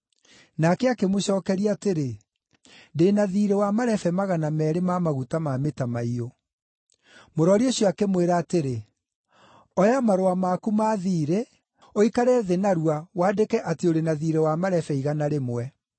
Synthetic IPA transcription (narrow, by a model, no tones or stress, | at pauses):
nakɛakemoɕɔːkɛɾiateɾe | deːnaðiːɾewamaɾɛfɛmaɣanamɛɾemamaɣutamametamaio | moɾɔɾioɕɔakemweɾaːteɾe | ɔjamaɾoamakumaːðiːɾe | oikaɾɛðenaɾuawaːdekɛʔateoɾenaðiːɾewamaɾɛfɛiɣanaɾemwɛ